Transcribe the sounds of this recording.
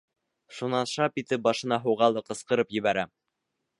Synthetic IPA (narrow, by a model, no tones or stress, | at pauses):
ʃunɑnʃɑpit̪ɘp̚bɑʃɤ̆nɑɦɤ̆wʁɑlˠɤqɤ̆sqɤ̆ɾɤpjɘ̆βæɾæ